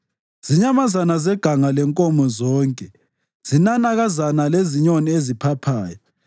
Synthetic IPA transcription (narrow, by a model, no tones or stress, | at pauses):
z̥iɲamazanazɛɡ̥ʱaŋalɛŋkʼɔmɔzɔːŋkʼɛ | z̥inanaɣazanaleziɲoniezipʰapʰaːjɔ